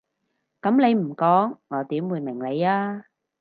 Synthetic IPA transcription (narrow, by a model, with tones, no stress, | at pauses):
kɐ˨˥mle˨˧jm̩˨˩kɔː˨˥ŋːɔː˨˧t̪iː˨˥mwuː˨˧jmɪ˨˩ŋle˨˧jaː˥